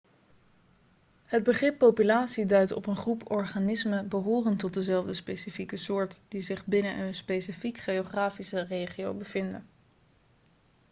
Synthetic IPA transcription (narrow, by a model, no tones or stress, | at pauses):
ɦəd̚bəχrɪpːowpylaːtsidœɥtɔ̰pənχrupɔɹχanɪsməbəɦʊːrəntɔt̚dəzɛlˠvdəspesifikəsʊːɹtd̥izɪχbɪnənʔənspesifikχejoχraːfisərejχiowbəv̥ɪndə̰n